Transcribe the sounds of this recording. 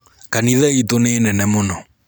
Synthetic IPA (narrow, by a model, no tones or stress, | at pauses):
kaniðɛitonenɛnɛmonɔ